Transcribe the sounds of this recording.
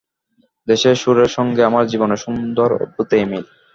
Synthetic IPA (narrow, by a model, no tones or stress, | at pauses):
d̪eʃeɾʃuɾeɾʃɔŋɡeamaɾd͡ʑiboneʃund̪oɾo̰put̪ejmil